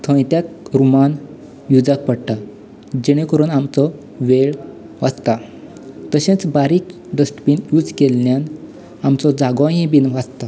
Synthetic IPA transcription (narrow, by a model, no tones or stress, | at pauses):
t̪ʰə̃jt̪jakɾuman | jud͡zak̚pəɽʈa | d͡ʑeɽ̃ẽkəɾuːnamt͡sɔ | ʋeɭ | ʋad͡zt̪a | t̪əɕẽt͡sbaɾiːk | ɖəsʈpiːnjuːd͡zkelːjan | amt͡sɔd͡zaɡɔ̃ɦẽbiːnʋad͡zt̪a